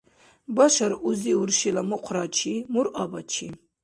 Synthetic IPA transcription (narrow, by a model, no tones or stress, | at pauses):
baʃaɾuziuɾʃilamɨqʷʰɾat͡ʃʰimuɾʔabat͡ʃʰi